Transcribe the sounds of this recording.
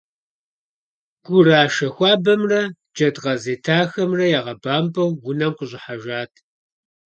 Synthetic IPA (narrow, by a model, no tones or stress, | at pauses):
ɡ̥ʷʊraːʃɐxʷɑːbɐmrɐ | d͡ʒɐdʁɐzeːtʰaːxɐmrɐjaːʁɐbaːmbʼɐwːʊnɐmqʷʊɕʼɪħaʒaːtʰ